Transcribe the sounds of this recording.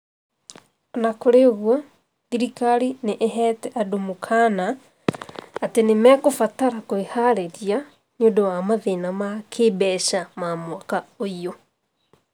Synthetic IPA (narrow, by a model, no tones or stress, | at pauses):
nakoɾeoɣwɔ | ðiɾikaɾineʔːɦɛːtɛʔadomukʰaːna | tenemɛkofataɾakoehaɾeɾia | ɲodowamaðenamakʰeːbɛʃamamwakaoio